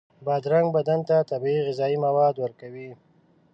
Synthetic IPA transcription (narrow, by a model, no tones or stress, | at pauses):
bɑd̪ɾaŋɡbad̪ant̪at̪abiiɣɪzɑimawɑd̪wəɾkawi